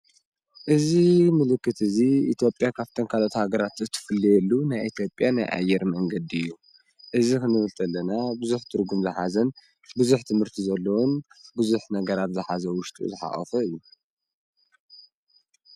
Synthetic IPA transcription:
ʔɨzimɨlɨkːɨt̪ɨziit̪ʰjo̞pʼjakʰaβt̪ʰonkʰalot̪haɡɐɾat̪zɨt̪ʰːɨ̥fɨlːijɛlːunajʔit̪ʰjo̞pʼjana̰jʔa̰jːɛɾmɐŋɡɐd̪iɨjːu | ʔɨzikɨnɨβɨlt̪ʰɐlːɐnabɨzuħt̪ʰɨɾɡumzɨħazɐn | bɨzuħt̪ʰɨmhɨɾt̪ʰizɐlːowunbɨzuħnɐɡɐɾat̪zɨħazɐwʊʃt̪ʼṵzɨħa̰χʼɐ̰fɐɨjːu

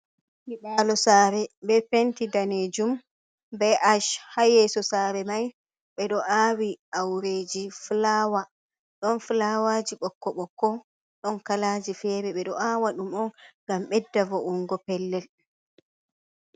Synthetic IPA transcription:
miɗaːlɔsaːɾɛɓɛfentidaneːd͡ʒum | bɛʔaʃhajɛsɔsaːɾɛmaj | ɓɛɗɔʔaːwiʔawɾed͡ʒiflaːwa | ɗɔnflawad͡ʒiɓɔkːɔɓɔkːɔ | ɗɔnkalaːd͡ʒifɛːɾɛɓɛɗɔʔawaɗumɔnŋɡamɓɛdːavɔʔuŋɡɔpɛlːɛl

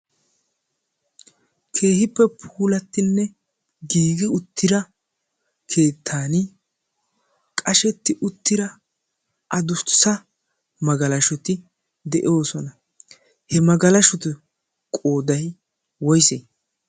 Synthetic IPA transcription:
kʰe̞ːhɪpːɛpʰuːlɐt̪ːɪnːɛ | ɡiːɡɪʊt̪ːɪɾɐ | kʰe̞ːt̪ʰːaːnɪ | kʼɐʃɛt̪ːɪʔʊt̪ːɪɾɐ | ʔɐd̪ʊsɐ | mɐɡɐlɐʃɔt̪ɪ | d̪ɛʔo̞ːsɔnɐ | hɛmɐɡɐlɐʃɔt̪ɪ | kʼo̞ːd̪ɐj | wɔjseː

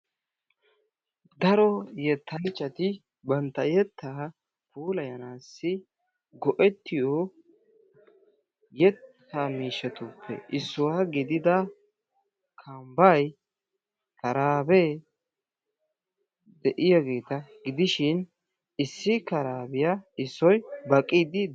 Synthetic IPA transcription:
d̪ɐɾɔjɛt̪ːɐnt͡ʃʼːɐt̪ɪ | bɐnt̪ːɐjɛt̪ʰːaː | kuːlɐjɐnaːsːɪ | ɡɔʔɛt̪ːɪjɔ | jɛt̪ː | amiːʃɛt̪ʊpʰːɛ̰ʔɪsːʊwaːɡɪd̪ɪd̪ɐ | kʰɐmbɐj | kɐɾaːbe | d̪ɛʔɪjɐɡe̞ːt̪ɐɡɪd̪ɪʃɪn | ɪsːɪkɐɾaːbɪjaɪsːɔjbɐkʼːɪd̪ɪ

